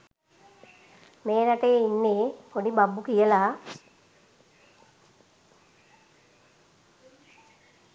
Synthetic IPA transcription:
meːnaʈəjeinːeːkonibabːukijəlaː

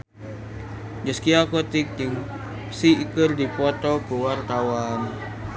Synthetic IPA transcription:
d͡ʒəskiakot̪ik̚d͡ʒəŋ | siːkɨrdipɔt̪ɔkuwart̪awan

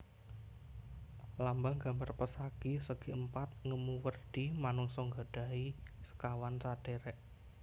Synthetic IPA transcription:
lambaŋɡa̤mbarpəsaɡ̥isəɡ̥iʔəmpat̪̚ŋəmuwərd̪̥imanɔŋsɔŋɡa̤ɖ̥a̤isə̥kawansad̥eɾɛʔ

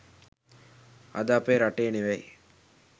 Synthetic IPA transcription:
a̰d̪aːpeːɾaʈeːniʋej

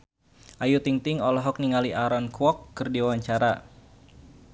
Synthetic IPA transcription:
ʔajut̪iŋt̪ɪŋɔlɔɦɔk̚niŋaliʔaɾɔnkwɔkːɨrdiwawaɲt͡ʃaɾa

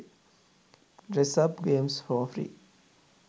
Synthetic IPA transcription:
ɾesɐbɡeːmsfɔfɾḭ

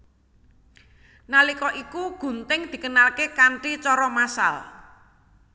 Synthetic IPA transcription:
nalikɔʔikuɡ̥ṳnt̪ɪŋd̪̥i̤kənalkekaɳʈit͡ʃɔɾɔmasa̰l

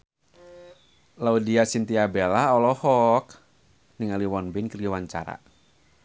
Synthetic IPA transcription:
laudiasint̪iabɛlaɔlɔhɔk | niŋaliwɔnbɪnkəriwaɲt͡ʃa̰ɾa̰

